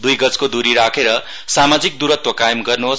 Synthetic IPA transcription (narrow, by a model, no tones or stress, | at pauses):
d̪ujɡʌt͡skod̪uɾiɾakʰeɾʌ | samad͡zik̚d̪uɾʌt̪wʌkajʌmɡʌrnuɦo